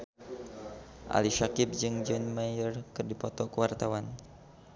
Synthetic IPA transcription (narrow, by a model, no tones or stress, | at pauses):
ʔa̰liʃakɪp̚d͡ʒɨŋd͡ʒɔnmajərkɨrdipɔt̪ɔkəwart̪awan